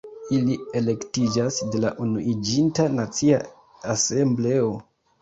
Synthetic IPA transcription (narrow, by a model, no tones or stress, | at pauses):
ilie̞le̞ktid͡ʒasde̞laʔunuʔid͡ʒintanat͡sia | ase̞mble̞o̞